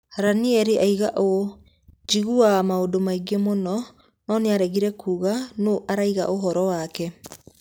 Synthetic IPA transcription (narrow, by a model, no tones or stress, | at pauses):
haɾaniɛɾeʔaiɣaʔo | d͡ʒiɣuamaodomaiɡemonɔ | nɔneaɾɛɣiɾɛkuːɣanoʔaɾaiɣa̰ʔoɦɔɾɔwakɛ